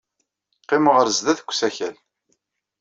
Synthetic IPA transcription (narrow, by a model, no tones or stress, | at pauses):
qːɪməʁəɾəzðæθə̥kʷːsæçæl